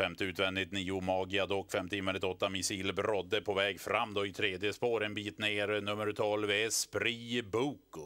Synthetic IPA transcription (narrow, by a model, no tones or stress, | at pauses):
fɛmt̪əʉ̟ːt̪vɛnd̪ɪt̪niːʊmɑːɡɪad̪ɔkːfɛmt̪əɪnvɛnd̪ɪt̪ɔt̪ːamɪsiːlbɾɔd̪ːəpʰɔvɛːɡfɾamːd̪ɔɪt̪ʰɾeːd̪jəspoːɾɛnbiːt̪neːɾnɵmːəɾt̪ʰɔlvspɾiːbuːk